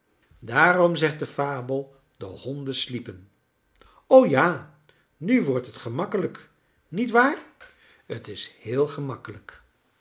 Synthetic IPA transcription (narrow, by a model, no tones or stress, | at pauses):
daːrɔmzɛχt̚dəfaːbəlˠ | d̥əhɔndəslipən | owjaː | nyʋɔɹtɦətχəmɑkələk | nitʋaːɹ | ətɪshɪːlˠχəmɑkələk